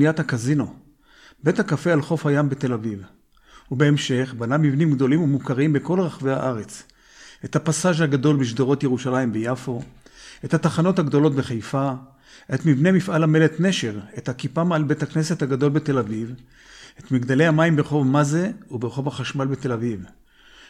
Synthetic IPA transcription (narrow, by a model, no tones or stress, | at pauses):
ijat̪hakazino̞ | be̞t̪hakafealχo̞fhajambe̞t̪e̞laviv | ube̞emʃe̞χbanamivnimɡd̪o̞limumukaʁimbeko̞lʁaχveha̰ʔaʁe̞t͡s | ʔe̞t̪hapasaʒhaɡad̪o̞lbiʃ̬d̪oʁo̞t̪jeuʃalaimbejafo̞ʔe̞that̪aχano̞thaɡd̪o̞lo̞tbeχejfa | ʔet̪mivnemifʔalame̞let̪ne̞ʃe̞ʁet̪hakipamalbet̪hakne̞set̪haɡad̪o̞lbet̪e̞laviv | et̪miɡd̪ale̞amaimbeχo̞vmazeubeʁeχo̞vaχaʃmalbe̞t̪e̞laviv